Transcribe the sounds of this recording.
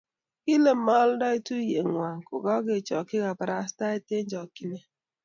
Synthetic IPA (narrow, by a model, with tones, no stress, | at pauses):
i˦le˨m̩˨˦ma˦lda˦i˦tu˦je˨ŋʷa˨ŋ̩˨kʊ˨ɡɔ˦ɡe˨t͡ʃɔ˨kɪ˦ɣa˨pa˨ɾa˨˦sta˦e˦te˦d͡ʒɔ˨ki˦ne˦